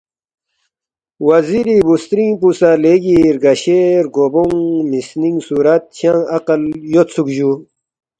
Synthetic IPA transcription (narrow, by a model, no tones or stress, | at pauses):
wɐziɾibust̪ɾĩpusaleɡiɾɡɐɕeːɾɡoboŋmisniŋɡsuɾat̪̚ɕʰãɐqəljot̪t͡sʰukʑu